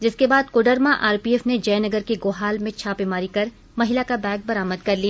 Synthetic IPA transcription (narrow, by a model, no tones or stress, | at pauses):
d͡ʒɪskebaːd̪koːɖəɾmãʔaːɾpiːɛːfned͡ʒɐːnɐɡəɾkeɡoːɦaːlmẽt͡ʃʰaːpemaːɾikɐɾ | mɐɦɪlakabɛːk̚bɐɾaːməd̪kɐɾlijaː